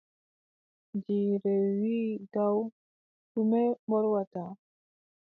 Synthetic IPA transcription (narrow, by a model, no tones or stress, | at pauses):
d͡ʒiɾewiɡaw | t̪umebɔɾwat̪a